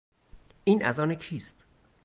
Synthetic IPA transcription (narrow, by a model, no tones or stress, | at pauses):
ʔiːnʔæ̰zɒːnekʰiːst̪